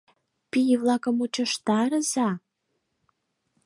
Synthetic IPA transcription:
pijβlɑkə̆mut͡ɕə̆ʃt̪ɑɾəzɑ

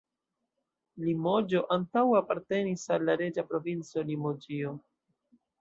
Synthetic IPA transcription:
limo̞d͡ʒo̞ʔantawapaɾte̞nisalːaɾe̞d͡ʒapɾo̞vint͡so̞limo̞d͡ʒio̞

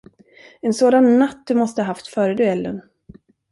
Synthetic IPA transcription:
ɛnsoːd̪anːat̪ːd̪ɵmɔst̪əhɦaft̪fœːɾəd̪ɵɛlːən

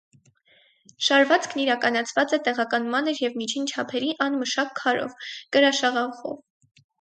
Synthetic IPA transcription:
ʃɑɾvɑt͡skʰniɾɑkɑnɑt͡sʰvɑt͡sɛt̪ɛʁɑkɑnmɑnəɾjɛvmit͡ʃʰint͡ʃʰɑpʰɛɾiʔɑnməʃɑkʰːɑɾɔ̰vkəɾɑʃɑʁɑχɔ̰v

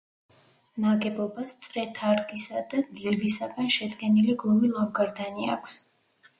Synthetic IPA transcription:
naɡɛbɔbast̪sʼɾɛt̪ʰaɾɡisad̪ad̪livisaɡanʃɛd̪ɡɛniliɡlˠumilˠɔmɡaɾd̪ania̰kʷʰs

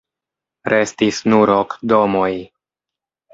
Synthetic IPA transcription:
ɾe̞stisnuɾokdo̞mo̞j

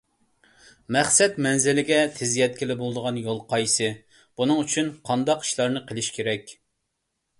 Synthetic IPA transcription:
mɛχsɛt̪mɛnzɪlɪɡʲɛt̪ʰɪzijɛt̪̚kʲɪlɪbolˠd̪əʁɑnjolˠqʰɑjsɨ | b̥unɨŋyt͡ʃʰynqʰɑnd̪ɑqi̥ʃlˠɑɾnɨqʰəlˠɪʃkʲʰeɾɛkʲ

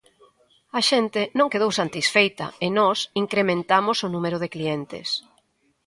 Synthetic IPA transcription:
ɐʃent̪ɪnõŋkeð̞owsant̪isfejt̪ɐ̰ɪnɔsiŋkɾemẽnt̪amosʊnũmeɾʊðeklient̪ɪ̰s

